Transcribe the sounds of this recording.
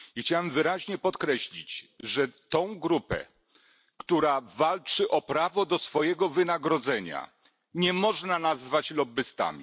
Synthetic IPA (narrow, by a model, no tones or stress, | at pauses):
ixt͡ɕawɛmvɘɾaʑɲɛpɔt̪kɾɛɕlʲit͡ɕʐɛt̪ɔ̃w̃ɡɾupɛ̰ | kt̪uɾavalt͡ʂɘʔɔpɾavɔd̪ɔsfɔjɛɡɔvɘnaɡɾɔd̪zɛɲa̰ | ɲɛmɔʐnanazvat͡ɕlɔbɘst̪a̰mʲḭ